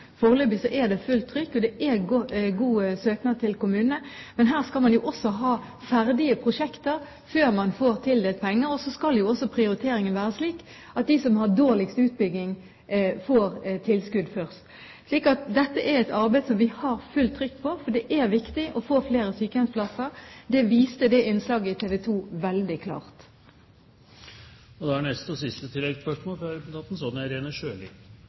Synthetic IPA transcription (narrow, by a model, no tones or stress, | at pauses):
fɔːʁløːbɪsɔʔɛd̪ɛfʉlt̪ʰːɾʏkːɔd̪ɛʔɛɡuːsøːknɑːd̪̚t̪ʰɪlkʊmʉːnənəmɛnɦæːʁskɑlmɑnjʊʔɔsːɔɦɑː | fæɾd̪ɪəpʰʁʊʂɛkt̪əɾ | føːʁmɑnfoːʁt̪ʰɪld̪eːlt̪̚pʰɛŋːəɾɔsɔskɑljʊɔsːɔpʰɾɪʊɾɪt̪ʰeːɾɪŋənʋæːʁəsliːk | ɑt̪̚d̪ɪsɔmhɑʁd̪oːʁlɪkst̪ʉːt̪̚bʏɡnɪŋ | foːɾt̪ʰɪlskʉd̪fœʁst̪ | ʂliːkɑt̪d̪ɛt̪ːəʔæɾɛɪt̪ɑʁbæɪsɔmʋɪhɑɾfʉlt̪ʰɾʏkːpʰɔfɔɖ̪ɛʔæʁʋɪkt̪ɪʔɔfoːfleːɾəsyːkəhɛt̪splɑsəɾd̪ɛʋiːst̪əd̪ɛʔɪnslɑːɡəɪt̪ʰeːʋɛt̪ʰuːʋɛld̪ɪkʰlɑ̰ːʁt̪ | ɔd̪ɛænɛst̪ɔsɪst̪ət̪ʰɪlːɛɡ̪spœʂmoːlfɾɑɾɛpnt̪ʰɑt̪n̩sɔnæɾeːnəʂøːlɪ̰